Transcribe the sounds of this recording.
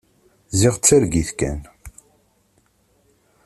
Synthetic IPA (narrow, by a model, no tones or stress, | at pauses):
ziʁt͡sːæɾɡiθkæ̰n